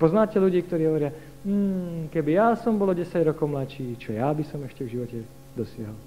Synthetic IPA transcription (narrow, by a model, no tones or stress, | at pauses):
pɔznaːcɛʎuɟiːk̚t̪ɔɾiːɦɔʋɔɾɪa | m̩ːkɛbijasɔmbɔlɔɟɛsaɟɾɔkɔʊmlat͡ʃiːt͡ʃɔjabisɔmɛʃcɛvʒiʋɔcɛ | d̪ɔsɪaɦɔl